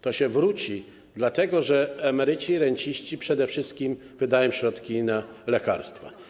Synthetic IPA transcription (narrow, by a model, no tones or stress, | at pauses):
t̪ɔɕɛvɾut͡ɕi | d̪lat̪ɛɡɔʐɛamɛɾɘt͡ɕiɾɛɲt͡ɕiɕt͡ɕipʂɛd̪ɛfʂɘst̪̚kʲim | vɘd̪ajɔ̃w̃ɕɾɔt̪kʲinalɛka̰ɾst̪fa̰